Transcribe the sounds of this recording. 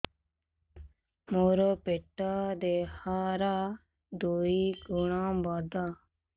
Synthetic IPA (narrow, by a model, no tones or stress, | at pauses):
moːɾoːpeːʈːaːd̪eːhaːɾaː | d̪oːiːɡʊɳãːbaːd̪aː